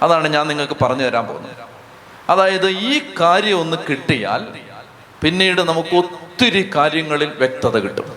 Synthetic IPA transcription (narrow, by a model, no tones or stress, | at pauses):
ɐðaːɳɨɲaːnniŋːɐɭkɨpɐrɐɲːuʋɐɾaːmpo̰ːunːṵ | ɐðaːjɐðɨiːkaːɾjɐmo̞nːɨkiʈːija̰ːl | pinːiːɽɨnɐmukːɨo̞t̪ːiɾikaːɾjɐŋːɐɭilʋjek̚t̪ɐðɐkiʈːṵm